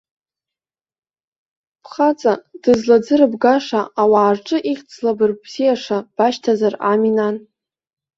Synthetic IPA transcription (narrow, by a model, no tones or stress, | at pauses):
pʰχat͡sʼad̥ɨzlad͡zɨɾɨbɡaʂaʔːwaːrʈ͡ʂʼɨʔiχʲt͡sʰʼlabɨrbz̥ijaʂab̥aʃtʰazara̰minan